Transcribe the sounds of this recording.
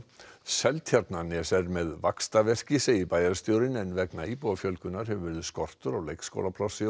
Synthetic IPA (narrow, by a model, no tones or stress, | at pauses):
sɛlt̪ʰjaɾt̪nanɛsɛɾmɛðvakst̪avɛr̥cɪsɪipaːjaɾɪst̪joːwɾɪnɛnvɛknaipowafjœlkʏnaɾ̥hɛvʏvɛɾðʏskɔr̥t̪ʏɾɔɣlejksko̰wlapʰlɔsɪ